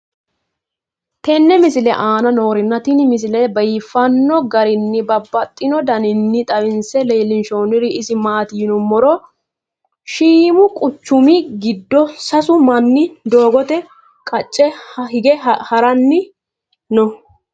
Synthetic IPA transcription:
t̪ɛnːɛmɪsɪlɛʔaːnɐno̞ːɾɪnːɐt̪ɪnmɪs̬ɪlɛbɐjɪfɐnːɔɡɐɾɪnːɪbɐbːɐt̪ʼːɪnɔd̪ɐnɪnːɪt̪ʼɐwɪnsɛleːlːɪnʃoːnɪɾɪɪsɪmaːt̪ɪjnʊmɔɾɔ | ʃiːmʊkʼʊt͡ʃːʊmɪɡɪd̪ːɔsɐsʊmɐnːɪd̪oːɡɔt̪ɛ | kʼɐt͡ʃʼːɛhɪɡɛhɐɾɐnːɪ | nɔ

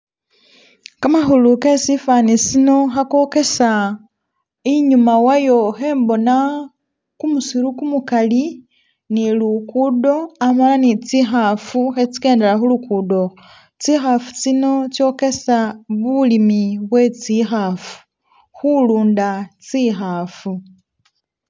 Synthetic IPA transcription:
kamaxuluke̞sifanisino̞xako̞ke̞sa | iɲumawajo̞xe̞ːmbo̞na | kumusiɾukumukali | nilukudo̞amalanit͡sixafuxet͡si̥ke̞ːndelaxulukuːdo̞ | t͡sixafu̥t͡sino̞t͡sjo̞ke̞saβulimiβwe̞t͡sixafu̥ | xuluːndat͡sixafu

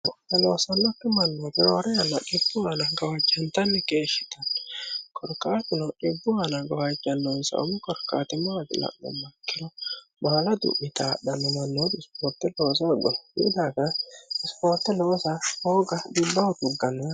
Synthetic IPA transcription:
ɔɛloːsɐnːɔkːɛmɐnːoːd̪ɪɾoːɾɛjɐnːɐʔɪbːʊwanɐɡɐwad͡ʒːɐnt̪ɐnːɛkeːʃɪt̪ɐnːɔkʰɔɾkʼaːt̪ɪnɔᶑɪbːʊwanɐɡɐwɐd͡ʒːɐnːɔnsɐ̰ʊ̰mɪkɔɾkʼa̰ːt̪ɪmɐɐd̪ɪ̰lɐ̰ʔːɔ̰mːɐkːɪlɔ | baːlɐd̪ʊ̰ʔːɪt̪aːɗɐnːɔmɐnːod̪spoːɾt̪ːɛloːs̬aɡɔnjɪ̰d̪aːɡɐɪspoːɾt̪ːɛlo̞ːsahoːɡɐd̪ɪbːɐwʊd̪ʊɡɐnːɐ

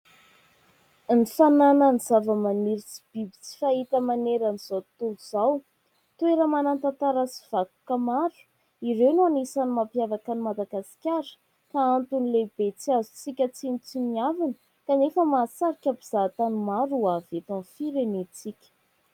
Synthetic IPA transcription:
nifananəniz̥avəmaniɾit͡si̥b̥ibit͡si̥fait̪əmaneɾaniz̥at̪uluz̥aw | t̪ueɾəmanant̪at̪aɾasi̥v̥aku̥kəmaɾu̥ | iɾewnanisanimapjavakanimad̪aɡasi̥kʲaɾə̥ | kaant̪unileb̥et͡siazu̥t͡sikʲət͡sinit͡simiavanə | kanefəmaːsaɾikʲabiz̥at̪animaɾuavet̪anfiɾenet͡sikʲə̥

